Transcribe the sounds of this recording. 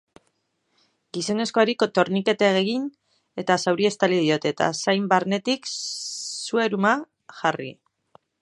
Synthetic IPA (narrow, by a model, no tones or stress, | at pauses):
ɡiso̞ne̞sko̞aɾiko̞t̪o̞ɾnike̞t̪eaɣeɣin | e̞t̪asawɾie̞st̪aliðio̞t̪e̞t̪a̰sajmbaɾne̞t̪ik | sue̞ɾuma | ʝarḭ